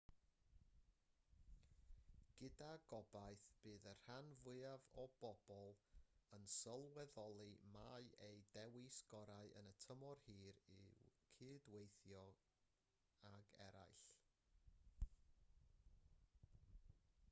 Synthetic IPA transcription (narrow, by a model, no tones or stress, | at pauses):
ɡ̥ɪdaɡɔbaɨθb̥ɨːðər̥hanvʊavɔb̥ɔb̥ɔlˠənsəlˠwɛðɔlˠimaɨʔejdɛwisɡ̥ɔɾaɨʔənətʰəmɔrhɨːɾikʰɨːdwejθjɔ | aɡɛ̰ɾa̰jɬ